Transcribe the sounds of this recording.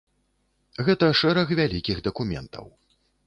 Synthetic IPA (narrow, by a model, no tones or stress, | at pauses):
ɣɛt̪ɐʂɛɾɐɣvʲalʲikʲiɣd̪ɐkumʲɛ̰nt̪ʰɐ̰w